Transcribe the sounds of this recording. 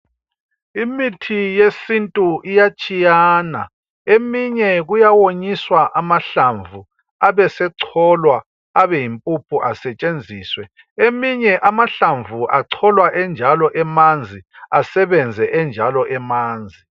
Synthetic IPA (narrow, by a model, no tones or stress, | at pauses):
imitʰijesintʼuʔijat͡ʃʼijana̰ | emiɲɛɣujawoɲiswaʔamaɬaɱvʱu | aβɛsɛǀʰɔlwa | aβɛjimpʼupʰuʔasɛt͡ʃʼend͡zʱiːswɛ | emiɲɛʔamaɬaɱvuʔaǀʰɔlwaʔɛnd͡ʒʱalɔʔɛmand͡zʱiasɛβɛnd͡zʱɛʔɛnd͡ʒʱalɔʔɛmaːnd͡zʱi